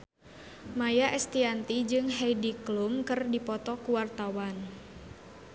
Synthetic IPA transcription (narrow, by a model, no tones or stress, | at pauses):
majaʔɛst̪iant̪id͡ʒɨŋɦɛjdiklumkɨrdipɔt̪ɔkuwart̪awan